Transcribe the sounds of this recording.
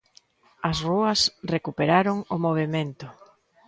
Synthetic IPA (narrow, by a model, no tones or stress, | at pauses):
ɐsruɐsrekupeɾaɾʊŋʊmoβ̞emẽnt̪ʊ